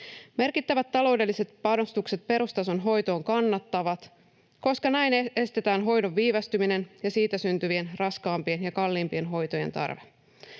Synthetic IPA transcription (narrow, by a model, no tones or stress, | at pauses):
me̞rkit̪ːæʋæt̪ːɑlo̞wde̞lːise̞t̪pɑno̞st̪ukset̪̚pe̞ɾust̪ɑso̞nɦo̞jt̪o̞ːŋkɑnːɑt̪ːɑʋɑt̪ | ko̞skɑnæjne̞st̪e̞t̪æːnɦo̞jdo̞ʋːiːʋɑst̪ymine̞njɑsiːt̪æsynt̪yʋie̞nrɑskɑːmpie̞njɑkɑlːiːmpie̞nɦo̞jt̪o̞je̞nt̪ɑ̰rʋe